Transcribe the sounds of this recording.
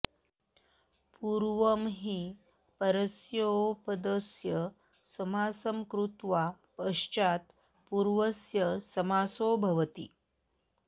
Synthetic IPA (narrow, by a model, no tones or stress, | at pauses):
puɾʋəmɦiː | pəɾəsjopəd̪əsjə | səmasəmkɾut̪ʋapəɕt͡ʃat̪ | puɾʋəsjəsəmaːsobʱɐʋət̪ḭː